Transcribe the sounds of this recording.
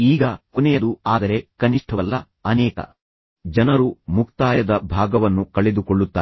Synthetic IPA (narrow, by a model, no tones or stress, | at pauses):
iːɡɐkonɛjɐd̪uaːd̪ɐɾe̞kɐniʂʈʰɐʋɐlːɐ | ɐnɛːkɐ̰ | d͡ʒɐnɐɾumukt̪aːjɐd̪ɐbʱaːɡɐʋɐnːukɐɭed̪ukoɭːut̪ːaː